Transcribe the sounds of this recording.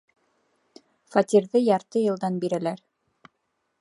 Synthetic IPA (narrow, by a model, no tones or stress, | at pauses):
fɑt̪ʲiɾðɤjɑɾt̪ɤjɤ̆lˠd̪ɑnbiɾælæɾ